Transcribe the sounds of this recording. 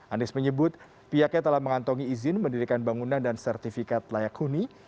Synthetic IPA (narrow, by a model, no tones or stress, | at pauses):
ʔanɛksməɲəbʊt̪̚ | piakat̪əlahməŋant̪ɔŋiːzɪnməndiɾikanbaŋunandansɛrt̪ifikat̪lajakhuni